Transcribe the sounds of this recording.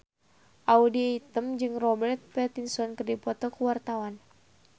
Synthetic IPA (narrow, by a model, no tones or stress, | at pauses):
ʔaudiit̪əmd͡ʒɨŋrɔbɛrt̪̚pɛt̪insɔnkɨrdipɔt̪ɔkəwart̪awan